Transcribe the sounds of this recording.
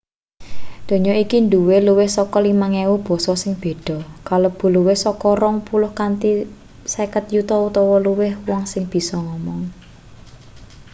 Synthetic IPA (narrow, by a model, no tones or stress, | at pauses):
d̪̥o̤ɲɔikind̪uweluwɪhsɔkɔlimaŋewub̥ɔ̤sɔsɪŋb̥e̤ɖ̥ɔ̤kalob̥ṳluwɪhsɔkɔɾɔŋpulʊhkant̪i | sekət̪jut̪ɔut̪ɔwɔluwɪhwɔŋsɪŋb̥i̤sɔŋɔmɔŋ